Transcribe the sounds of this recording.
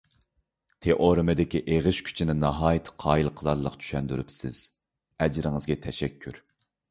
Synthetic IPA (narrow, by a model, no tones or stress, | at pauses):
t̪ʰeʔoɾɨmɨd̪ɪkʲiʔeʁɨʃkʲʰy̥t͡ʃʰinɪnɑɦɑːjɪt̪ʰɨ̥qʰɑːjilˠqʰəlˠɑɾlˠəqt͡ʃʰy̥ʃɛnd̪yɾy̰psɪ̰z̥ | ɛd͡ʒɾɪŋɨzɡʲɛt̪ʰɛʃɛkʲʰːyɾ